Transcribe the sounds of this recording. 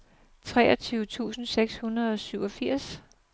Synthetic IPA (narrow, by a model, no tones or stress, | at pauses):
t͡sʰʁɛ̰ːɒt͡sʰyːʊət͡sʰṵːsn̩seɡ̥shunɐð̞̩ˠɒ̽syʊɒ̽fiɐ̰s